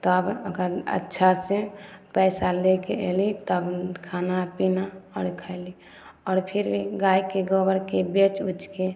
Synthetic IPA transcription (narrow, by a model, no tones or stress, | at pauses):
t̪ɔbəɡəɾə̰tːʃʰasepɛːsalekeɛ̰lit̪əbkʰaːnapinaɔːɾkʰali | ɔːɾpʰɪɾbʱiɡaːikeɡɔbəɾkebet͡ʃut͡ʃke